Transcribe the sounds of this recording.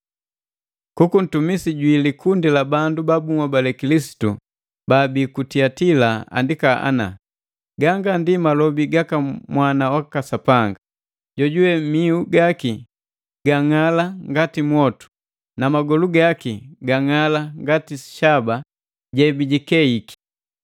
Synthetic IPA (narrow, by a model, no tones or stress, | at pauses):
kukun̩tumisiɟwilikundilabandubabuŋwabalɛkilisi̥tu | baːbikutiatilaa̰ndikaʔa̰na̰ | ɡaŋɡandimalɔbiɡakamwanawakasapaŋɡa | ɟɔɟuwɛmiuɡaki | ɡ̥aŋalaŋɡatimwɔtu̥ | namaɡɔluɡakiɡaŋalaŋɡatisi̥ʃaba | ɟɛbiɟikɛiki̥